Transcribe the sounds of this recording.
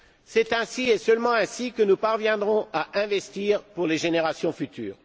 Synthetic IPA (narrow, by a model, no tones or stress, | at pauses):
sɛt̪ɛ̃siɛsœlmɑ̃ɛ̃sikənupaʁvjɛ̃d̪ʁɔ̃aʔɛ̃vɛst̪iːʁpuʁleʒeneʁasjɔ̃fyt̪y̰ːʁ